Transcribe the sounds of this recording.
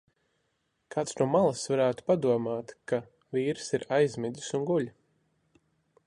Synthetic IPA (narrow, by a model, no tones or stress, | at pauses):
kaːt̪snuɔmalˠasvaɾæːt̪u̥pad̪uɔmaːt̪ka | viːɾsiɾajzmɛd̪ʲisunɡuʎʲi